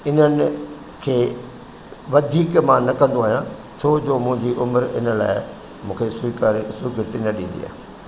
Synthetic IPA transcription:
ɪnənɪ | kʰeː | ʋɐd̪ʱiːkmãnɐkɐ̃nd̪oaːɦijã | t͡ɕʰoːd͡ʑoːmʊ̃ɦɪ̃ɲd͡ʑiʔʊməɾɪ̰nə̆la̰ːɪ | mũːkʰesʊkːsʊkɪɾt̪inɐɗĩːnd̪ḭa̰ːɦ

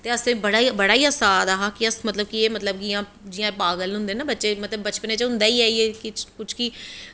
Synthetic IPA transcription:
t̪eːəsẽːbəɽaːibəɽaːiːəsaːd̪aːɦaːkiəsmət̪ləb̚kieːmət̪ləb̚kijãː | d͡ʒiãːpaːɡəlɦʊ̃nd̪eːnaːbətːʃeːmət̪ləbːət͡ʃpənẽːt͡ʃɦʊ̃nd̪aːiːaːieːkɪkʊt͡ʃʰki

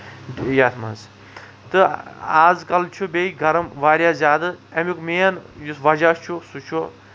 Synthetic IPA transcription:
jaːt̪ʰmɐ̰nz | t̪ɨaːzkɐlt͡ʃʰubeiɡʱɐɾɐmʋaːɾjaːzʲaːd̪ɨɐmikmeːɐnjusʋɐd͡ʒaːst͡ʃʰusut͡ʃʰu

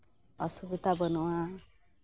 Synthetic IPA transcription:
ʌsubut̪abʌnuwã

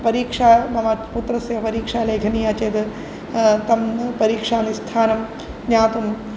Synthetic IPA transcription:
pɐɾiːkʂaːmɐmaːput̪ɾɐseɐpɐɾiːkʂaːlɐːɡʱɐniːaːt͡ʃeːd̪ | t̪ɐmpɐɾiːkʂaːnist̪ʰaːnɐm | njaːt̪um

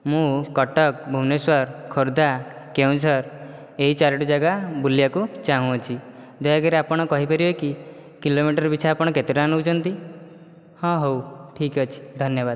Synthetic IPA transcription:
mũkɔʈɔk̚bʱumneswɔɾkʰoɾd̪a | kewnsɔɾ | eɦit͡ʃaɾɔʈud͡ʒaɡabuljakut͡ʃaɦũɔt͡ʃʰid̪ɔjaɡaɾeapɔɽ̃ɔkɔɦipɔɾibeki | kilomiʈɔɾɔbit͡ʃʰaapɔɽ̃ɔket̪iʈanowt͡ʃʰɔnt̪i | hɔ̃ɦowʈʰikɔt͡ʃʰi̥d̪ʱɔnjɔbad̪

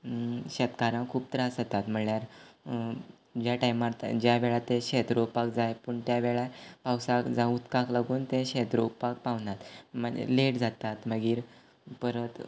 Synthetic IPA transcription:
ɕət̪kaɾãkʰuːb̚t̪əɾasət̪at̪m̤əɳljaɾ | d͡ʑjaʈajmat̪d͡ʑjaʋeɭat̪eɕet̪ɾopak̚d͡zajpəɳt̪jaʋeɭapawsakd͡zãut̪kaklaɡuːnt̪ẽɕet̪ɾokpak̚paʋnat̪məḛleʈd͡zat̪at̪məɡiːɾ | pəɾət̪

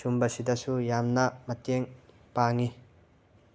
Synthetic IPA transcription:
sumbɐsidɐsujamnɐmɐteŋ | paŋi

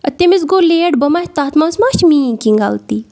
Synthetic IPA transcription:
ɐt̪ːemisɡoːleʈbəmahʲt̪aːt̪masmaːt͡ʃmiːkiŋɡa̰lt̪i

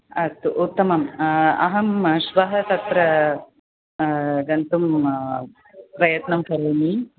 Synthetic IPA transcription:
ɐt̪uʔut̪ːɐmɐmɐ̰ɦɐmʃʋɐɦɐt̪ɐt̪ɾɐ | ɡɐnt̪um | pɾɐjɐt̪nɐmkɐɾeːni

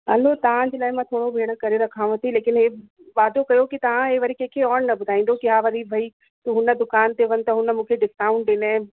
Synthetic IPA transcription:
ɦɐlot̪ɐʋ̤ãd͡ʑeːlaːɪmãt̪ʰoːɽobʱeːɽ̃ə̆kɐɾeɾɐkʰãʋət̪ileːkɪnɦeː | ʋaːd̪okɐjokit̪ɐʋ̤ãɦeːʋɐɾikẽːkʰeɔːɽnɐbʊd̪ʱaːĩːnd̪okɪɦaʋɐɾibʱɐi | t̪uːɦʊnə̆d̪ʊkaːnt̪eʋɐnɪ̆t̪ɐɦʊnəmũːkʰeɖɪskãːʊ̃ɳʈ̚ɗɪne

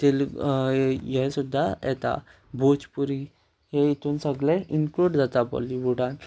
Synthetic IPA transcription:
t̪el | jɛsud̪ʱːajɛ̰t̪a̰ | bʱot͡spuɾi | ɦeit̪ʰuːnsəɡleinkluɽd͡zat̪apɔ̰liʋuɖãn

